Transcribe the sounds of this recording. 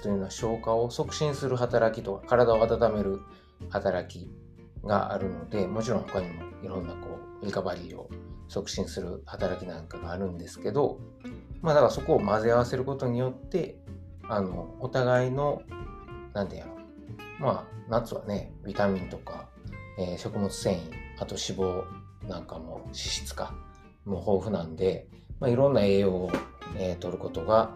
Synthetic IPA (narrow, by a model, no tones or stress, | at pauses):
t̪ojɯ̟no̞βaɕo̞ːkao̞so̞kɯ̟̥ɕĩɰ̃sɨɾɯ̟ɦat̪aɾakʲit̪o̞kḁkaɾad̪ao̞at̪at̪ame̞ɾɯ̟ | hat̪aɾakʲi | ɡa̰a̰ɾɯ̟no̞d̪e̞mo̞t͡ɕiɾõ̞ho̞kaɲ̟imo̞iɾõ̞nːako̞ːɾʲikabaɾʲiːo̞̰so̞kɯ̟̥ɕĩɰ̃sɨɾɯ̟̰hat̪aɾakʲinãŋkaɡaːɾɯ̟̃nd̪e̞sɨ̥ke̞d̪o̞ | mad̪akaaso̞ko̞ːmazeaβ̞ase̞ɾɯ̟ko̞t̪o̞ɲ̟ijo̞t̪ːe̞ | ano̞ːt̪aɡaino̞ | nãnt̪ej̰ɾo | manat͡sɨβa̰ne̞bʲit̪amʲĩnt̪o̞ka | eːɕo̞kɯ̟mo̞t͡sɨ̥sẽ̞ɰ̃ĩat̪o̞ɕibo̞ː | nãŋkamo̞̰ɕi̥ɕi̥t͡sɨ̥ka | moho̞ːɸɯ̟nãnd̪e̞ | maiɾõ̞nːae̞ːoːet̪o̞ɾɯ̟ko̞t̪o̞ɡa